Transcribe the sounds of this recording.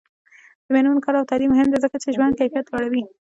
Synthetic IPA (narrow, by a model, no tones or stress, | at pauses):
d̪̥əmenunkɑɾawt̪aɾimːʊɦɪmd̪ezəkat͡ʃeʒwand̪̚kajfijat̪laɽawi